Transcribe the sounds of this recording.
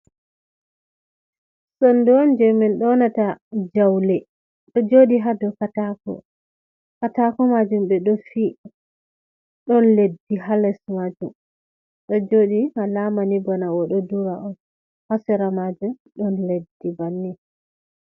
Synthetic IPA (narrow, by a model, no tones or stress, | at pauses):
sɔndɔnd͡ʒɛminɗɔnatad͡ʒawlɛ | ɗɔd͡ʒoɗiɦadɔkatakɔ̰ | katakɔmad͡ʒumɓɛɗɔfi | ɗɔnledːiɦalɛsmad͡ʒum | ɗɔd͡ʒoɗihalamanibɔnawɔɗɔduɾaʔɔn | hasɛɾamad͡ʒumɗɔnledːibanːi